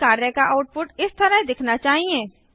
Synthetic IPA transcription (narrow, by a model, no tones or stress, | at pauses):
aːɾəkaʔaʊʈ̚pʊʈɪst̪ɐɾad̪ɪkʰnat͡ʃaːɦiẽː